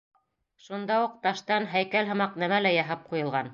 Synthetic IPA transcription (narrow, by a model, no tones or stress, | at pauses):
ʃund̪ɑuq̚t̪ɑʃt̪ɑnɦæjkælɦɤ̆mɑqnæmælæjɑɦɤp̚qujɤ̆lˠʁɑn